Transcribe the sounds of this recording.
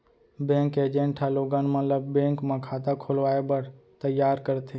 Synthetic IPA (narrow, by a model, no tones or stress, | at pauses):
bẽːŋkeːd͡ʒẽɳʈʰaloːɡanmət̪ləbːẽːŋkmãkʰaːt̪akʰʊlʋaːebəɽt̪əjaːɾkəɾt̪ʰe